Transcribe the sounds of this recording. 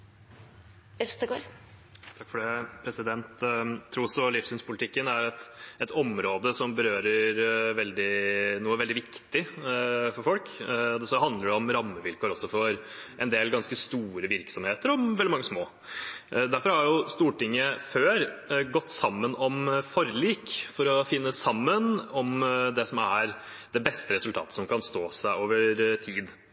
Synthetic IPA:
œst̪əɡoːɾt̪ʰɑkfɔɖɛpʰɾɛsɪd̪ɛnt̪ʰːɾuːɾɔsɔlifsɪnspʰʊlɪt̪ɪkːənæɾɛt̪ɛt̪ɔmɾoːd̪əsɔmbəɾøːɾəɾʋɛld̪ɪnuːəʋɛld̪ɪʋɪkt̪ɪfɔɾfɔlkɔd̪ɛsɔɦɑnd̪ləɖɛɔmɾɑmːəʋɪlkʰoːɾɔsːɔfɔɾʔɛnd̪eːlɡɑnskəst̪uːɾəʋɪɾksɔmheːt̪əɾɔmɛld̪ɪɑŋːəsmoː | d̪æɾfɔɾhɑɾjʊst̪uːʈɪŋːəføːɾɡɔt̪ːsɑmːənɔmfɔɾliːkfɔɾɔfɪnːəsɑmːənɔmd̪ɛsɔmæɾ | d̪ɛbɛst̪əɾɛsʉlt̪ʰɑ̰ːt̪ə̥sɔmkʰɑnst̪oːsæɪoːʋəɾt̪ʰiːd̪

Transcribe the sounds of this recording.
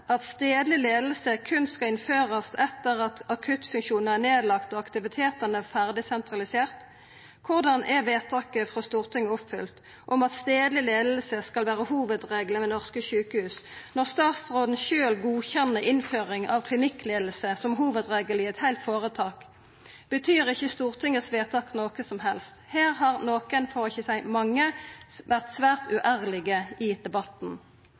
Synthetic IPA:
ɑt̪st̪eːd̪lɪleːd̪l̩səkʰʉnskɑɪnføːʁɑst̪ɛt̪ːəʁɑt̪ɑkʰʉt̪fʉŋkʃuːnæʁneːd̪lɑkt̪oːɑkt̪ɪʋɪt̪ʰeːt̪ənəfæʁd̪ɪsɛnt̪ʁɑlɪseːʁt̪ | kʰʊʁd̪ɑnʔɛʋeːt̪ʰɑːkəfʁɔst̪uːʁt̪ʰɪŋəɔpfʏlt̪ | ʔɔmɑt̪st̪eːd̪lɪleːd̪l̩səskɑlʋæːʁəhuːʋəd̪ʁeːɡləmɛnɔʁskəʃʉːkəhʉːsnɔʁst̪ɑːt̪sʁoːd̪n̩ʃøːlɡuːçɛnːəʁʔɪnføːʁɪŋɑʋkʰlɪnɪkːleːd̪l̩səsɔmɦuːʋəd̪ʁeːɡəlɪɛt̪hæɪlt̪foːʁət̪ʰɑːk | b̥ət̪ʰyːʁɪçːəst̪uːʁt̪ʰɪŋəsʋeːt̪ʰɑːknoːkəsɔmɦɛlst̪heːʁhɑʁnoːkənfɔʁɪçəsæɪmɑŋːəʋæʁt̪sʋæːʁt̪ʉʔæʁlɪɡəɪd̪̥ɛbɑt̪n̩

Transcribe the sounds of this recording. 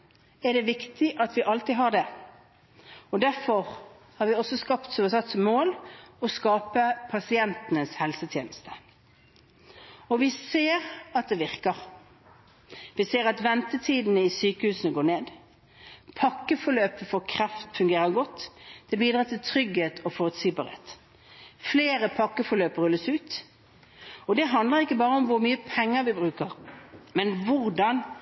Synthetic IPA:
ɛɖ̪ɛʋɪkt̪ɪʔɑt̪ʋɪʔɑlt̪iːɦɑɖ̪ɛ | ɔd̪æɾfɔʁ | hɑɾʋɪɔsɔskɑpt̪soəsɑt̪sɔmoːlɔskɑːpəpʰɑsɪɛnt̪ənəshɛlsət̪ʰjeːnəst̪ə̥ | ɔʋɪseːʁɑt̪̚d̪ɛʋɪʁkəʁ | ʋɪseːʁɑt̪ʋɛnt̪ət̪ʰiːd̪nəɪsyːkəhʉːsənəɡoːneːd̪ | pʰɑkːəfɔɾɭøːpəfɔkʰʁɛft̪fʉŋɡeːʁəɡɔt̪ːd̪̥ʰɪlbiːd̪ʁɑːt̪ʰɪlt̪ʰʁʏɡheːt̪ɔfɔʁʉt̪siːbɑ̰ʁḛːt̪ | fleːɾəpʰɑkːəfɔløːpəʁœlːəsʉːt̪ | ɔd̪ɛɦɑnd̪ləʁɪkːəbɑːʁəɔmʋʊɾmyːəpʰɛŋːəɾʋɪbʁʉːkəʁmɛnʋʊʁd̪ɑn

